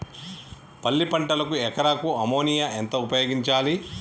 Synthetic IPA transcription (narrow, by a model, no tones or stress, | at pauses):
pɐlːipɐɳʈɐlɐkuɛkɐɾaːkuɐmoːnijaʔent̪ɐupɐjoːɡiɲt͡ʃaːli